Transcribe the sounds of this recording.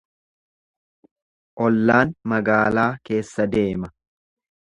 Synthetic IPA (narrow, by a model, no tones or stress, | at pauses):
ʔɔlːaːnmɐɡaːlaːke̞ːsːɐd̪e̞ːmɐ